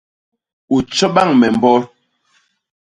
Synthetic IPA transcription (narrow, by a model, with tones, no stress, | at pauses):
u˨t͡ʃɔ˦ɓa˦˨ŋmɛ˨m˨bɔ˦ɾ